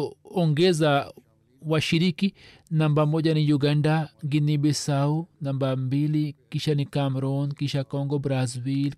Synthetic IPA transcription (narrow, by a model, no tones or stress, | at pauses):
oŋɡeza | waʃiɾiki | nambamoɟanijuɡandaŋɡinibesaunambambilikiʃanikamɾonkiʃakoŋɡobɾazbil